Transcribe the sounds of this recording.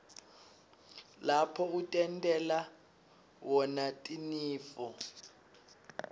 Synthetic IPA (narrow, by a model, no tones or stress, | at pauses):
lapʰɔutʼɛntʼɛla | wɔnatʼiniːfɔ